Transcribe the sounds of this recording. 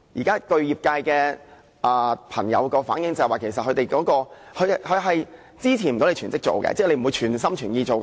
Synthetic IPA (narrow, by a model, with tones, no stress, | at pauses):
jiː˨kaː˥kɵ˧ɥjiː˨p̚kaː˧jkɛː˧ | ʔaː˨˩pʰɐ˨˩ŋjɐ̰˨˧wkɔː˧fa̰ː˨˥njɪ˧˥ŋtt͡sɐ˨˩hwaː˨˩kʰe˨˩jsɐ˨t̚hʰɵ˧te˨jkɔː˨˥kɔː˧ | hɵ˨˧˥hɵ˨˧ɦɐ˨j | t͡siː˥t͡sʰi˨˩m̩˨˩o˧˥wle˧t͡ʃʰːnt͡sɪ˥k̚t͡so̰˨wkɛ̰˧t͡sɛː˥˩le˧jm̩˨˩wu˨˧jt͡ʃʰyː˨˩ns̬ɐ˥mt͡ʃʰyː˨˩njiː˧t͡so˨w